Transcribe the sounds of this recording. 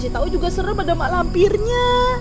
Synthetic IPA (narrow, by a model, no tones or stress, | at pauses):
sit̪aud͡ʒuɡasəɾəpadamaʔlampirɲa